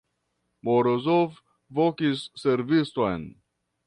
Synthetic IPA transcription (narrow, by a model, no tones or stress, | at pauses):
moɾozof | vokisːeɾvistojn